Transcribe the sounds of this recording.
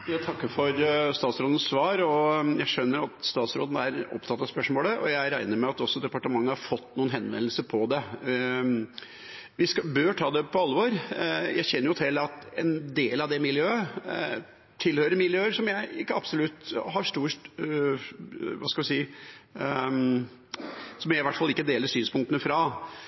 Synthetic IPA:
jɑt̪ʰɑkːəɾfɔɾst̪ɑːt̪sɾoːd̪nəsʋɑːɾɔjæɪʂœnːəɾɑt̪st̪ɑːt̪sɾoːd̪n̩æɾɔ̰pt̪ʰɑt̪ːɑspœʂmoːləʔɔ̰jæɪɾæɪnəɾmɛɑt̪ɔsːɔd̪ɛpɑʈəmɑŋːəhɑɾfɔt̪ːnuːənɦɛnʋɛ̰nl̩səpʰɔd̪ɛ | ʋɪskɑbøːʈʰɑːd̪ɛpʰɔɑlːʋoːɾjæɪçɛnːəjʊt̪ʰɛlɑt̪ɛ̰nd̪eːlɑʋd̪ɛmɪljøːə | t̪ʰɪlhøːɾəmɪljøːəɾʂɔmjæɪɪkːəɑbsʊlʉt̪ɦɑɾʂʈuːʂ | ʋɑ̰ːskɑʋɪsiː | sɔmjæɪʋæʈːfɑlːɪkːəd̪eːləsyːnspʊŋkt̪ənəfɾɑ

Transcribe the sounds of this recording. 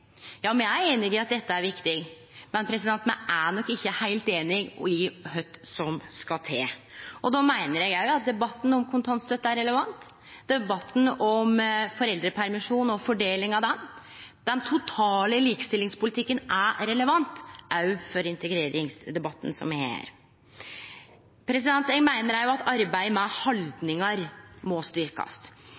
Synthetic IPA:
jɑːmɛnjæɪeːnɪɡəɑt̪̚d̪ɛt̪ːəæɾʋɪkt̪ɪɡ | mɛnpʰɾɛsɪd̪ɛnt̪mæʔæɳɔkːɪçːəhæɪlt̪eːnɪɡɔ̰ɪɦœt̪ːsɔmskɑt̪ʰeːɔd̪ɑːmæɪnəɾɛɡjæɪjʊɑt̪̚d̪ɛbɑt̪ːn̩ɔmkʰʊnt̪ʰɑnst̪œt̪ːəæɾɛləʋɑnt̪ | d̪̥ɛbɑt̪ːn̩ɔmfɔɾɛld̪ɾəpʰæɾmɪʂuːnɔfɔɖeːlɪŋɑʋd̪ɛn | d̪̥ɛnt̪ʰʊt̪ʰɑːləliːkə̥st̪ɪlːɪŋspʊlɪt̪ʰɪkːənʔæɾɛləʋɑnt̪ʔæɾjʊfɔɾɪnt̪ɛɡɾeːɾɪŋsd̪ɛbɑt̪ːn̩sɔ̰mhḛːɾ | pʰɾɛs̬ɪd̪ɛnt̪ɛɡmæɪnəɾjæɪjʊɑt̪ɑɾbæɪmɛhɑld̪nɪŋɑɾmɔst̪ʏɾkɑ̰s

